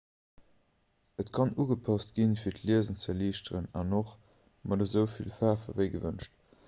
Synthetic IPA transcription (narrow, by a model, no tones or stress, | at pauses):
ətkʰɑnuːɡəpʰɑstɡ̥infiːɐtʰliəzənt͡səliːʃtəʁənɑ̰noχ | mɑdəzəʊfilfaːfɐvəɪɡəvənʃt